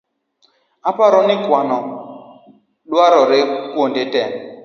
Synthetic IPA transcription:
apaɾɔnɪkwanɔ | ɗwaɾɔɾekondetɛ

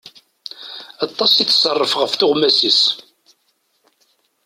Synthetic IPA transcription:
ɑt̪ˤːɑsiθə̥sˤːərˤːəfʁəfθʊʁmæsis

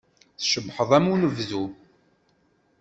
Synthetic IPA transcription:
θʃəbħəðˤæmunəvðu

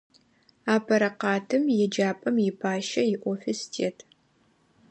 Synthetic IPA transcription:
aːpʰɐɾɐqɑːtʰɨmjɛd͡ʒaːpʼɐmjɪpʰaːʃɐjɪʔʷɔfɪstʰḛːtʰ

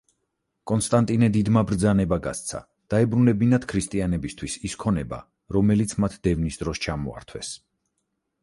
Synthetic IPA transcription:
kʼɔnst̪ʼant̪ʼinɛd̪id̪mabɾd̪zanɛbaɡa̰st̪sʰa̰ | d̪̥aɛbɾunɛbinat̪kʰɾist̪ʼianɛbist̪ʰwisiskʰɔnɛba̰ | ɾɔmɛlit̪sʰmat̪ʰd̪̥ɛvnisd̪ɾɔst͡ʃʰamɔ̰a̰ɾt̪ʰwɛs

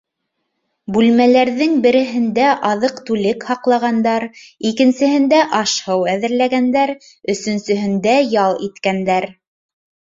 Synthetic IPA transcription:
bʉlmælæɾðɘŋbɘ̆ɾɘ̆ɦɘ̆nd̪æʔɑðɤqt̪ʉlɘkhɑqlˠɑʁɑnd̪ɑɾikɘ̆nsɘ̆ɦɘ̆nd̪æʔɑʃhɤwæðɘ̆ɾlæɡænd̪æɾ | ɵ̆sɵ̆nsɵ̆ɦɘ̆nd̪æjɑlˠit̪kænd̪æɾ

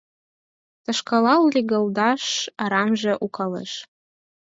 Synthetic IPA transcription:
t̪ɤ̆ʃkɑlɑllʲiɣɤ̆ld̪ɑʃɑɾɑmʒĕʔukɑlɤ̰ʃ

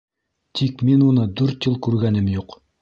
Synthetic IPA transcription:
t̪ʰikminunɤd̪ʉɾt̪jɤlˠkʉɾɡænɘmjuq

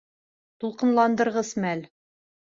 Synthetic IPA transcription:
t̪ulˠqɤ̆nlˠɑnd̪ɤ̆ɾʁɤzmæl

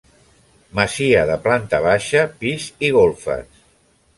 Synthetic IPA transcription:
məziəðəplant̪əβ̞aʃəpiziɣ̞olˠfə̰s

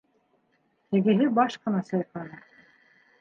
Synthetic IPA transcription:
ɘ̆ɡɘ̆ɦɘbɑʃqɤ̆nɑsɤjɑqlˠɑnɤ

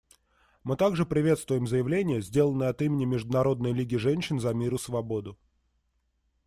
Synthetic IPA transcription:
mɨt̪aɡʐɨpɾʲɪvʲe̞t̪st̪vʊjɪmzəjɪvlʲenʲɪjəzʲdʲe̞lˠənəɐt̪imʲɪnʲɪmʲɪʐd̪ʊnɐɾo̞d̪nəjlʲiɡʲɪʐɛnʲɕːɪnzɐmʲiɾʊsvɐbo̞d̪ʊ

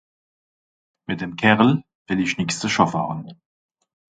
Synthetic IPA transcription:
mɪt̚d̥eːmkʰɛʁl̩ | v̥ɪlɪçnɪkst͡səʃɔfa̰ːʁən

